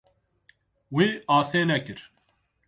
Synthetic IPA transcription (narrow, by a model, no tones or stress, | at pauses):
wiːaːseːnɛkɨɾ